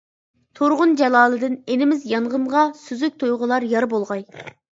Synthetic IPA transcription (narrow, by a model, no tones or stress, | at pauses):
t̪ʰoɾʁʊnd͡ʒɛlˠɑːlˠɨd̪ɪnenɪmɪzjɑɴʁəɴʁɑsyzyk̚ʲt̪ʰojʁʊlˠɑɾjɑɾbolˠʁɑj